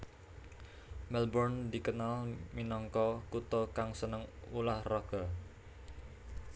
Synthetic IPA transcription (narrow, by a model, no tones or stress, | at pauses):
mɛlbɔrnd̪ikənalminɔŋkɔkut̪ɔkaŋsənəŋulahrɔɡ̥ɔ